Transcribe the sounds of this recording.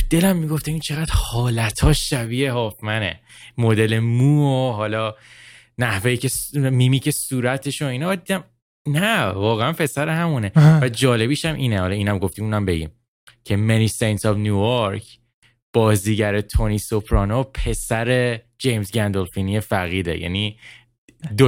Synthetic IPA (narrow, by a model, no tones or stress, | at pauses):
d̪̥e̞læmːiɡo̞ft̪eint͡ʃʰe̞ɣæd̪̥hɒːlæt̪ʰɒːʃʃæbieɦɒːfmænḛ | mod̪e̞le̞muːoɦɒːlɒː | næhvejicʰe̞smiːmiːcʰe̞suːɾæt̪ʰe̞ʃoiːnɒd̪id̪æm | nævɒːɣeænpʰe̞sæɾeɦæmune̞væd͡ʒɒːle̞biʃæmʔiːnehɒlɒiːnæmɡo̞ft̪imunæmbe̞ɟḭːm | cʰe̞meniːsejnt̪ɒbnjuːjoɾkʰ | b̥ɒːziːɟæɾet̪ʰo̞niːso̞pʰɾɒːnopʰe̞sæɾe̞ | d͡ʒejmzɟænd̪olfinie̞fæɣiːd̪e̞̰jʔæ̰ni | d̪o